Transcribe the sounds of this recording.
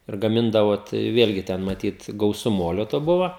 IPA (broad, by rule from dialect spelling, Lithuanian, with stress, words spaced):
ɪr ɡɐˈmʲɪndɐʋoː ˈtɐɪ ˈʋʲeːlʲɡʲɪ ˈtʲɛn mɐˈtʲiːt ɡɐʊˈsʊ ˈmoːlʲoː toː ˈbʊʋoː